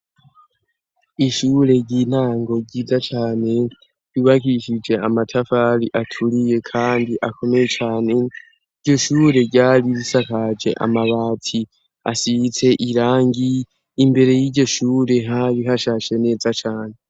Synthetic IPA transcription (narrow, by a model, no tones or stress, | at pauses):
iʃuːɾe̞ɟiːn̥aːŋɡo̞ɡiːzat͡ʃaːne̞ | juβakiʃid͡ʒe̞amatʰafaɾiʔatʰuɾije̞kʰaːndiʔako̞me̞je̞t͡ʃaːne̞ | iɟo̞ʃuːɾe̞ɟaːɾiɾisakad͡ʒe̞̰ʔa̰maβaːtʰi | a̰sit͡se̞ʔiɾaːŋɡiː | mbe̞ɾe̞jiɟo̞ʃuːɾe̞ɦaβiɦaʃaːʃe̞ne̞ːzat͡ʃaːne̞